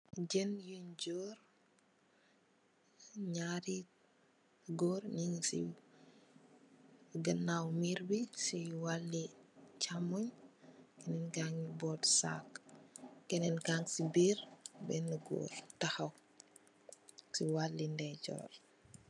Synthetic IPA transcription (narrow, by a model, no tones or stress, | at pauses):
ɟɛnjund͡ʒɔːɾ | ɲaɾi | ɡɔːɾniŋsḭ | ɡɐnːawmiɾbisiwalːit͡ʃamɔɲkɛnɛnɡaŋibɔːtsa̰k | kɛnɛnɡaŋsibiːɾbɛnuɡo̰ːɾtɐxɐw | siwalːindɛɟɔ̰ːr